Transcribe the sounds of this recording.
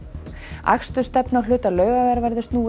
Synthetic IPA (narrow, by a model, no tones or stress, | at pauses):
a̰kst̪ʏ̥st̪ɛpnawlʏːt̪alœːɥɣavɛɾvɛɾðɪst̪nuː